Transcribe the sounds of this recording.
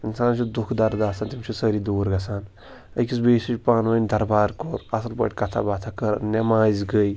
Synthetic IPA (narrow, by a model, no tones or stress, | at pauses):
insaːnt͡ʃʰud̪ukʰd̪ɐɾd̪aːsaːnt̪imt͡ʃʰusəɾiːd̪uːɾɡɐsaːn | ɐkis̬beːsit͡ʃpaːnʋənʲd̪ɐɾbaːɾkoɾɐsɐlpə̰ːʈʲkɐt̪ʰa̰baːt̪ʰakəɾ̰nɐmaːzʲɡəi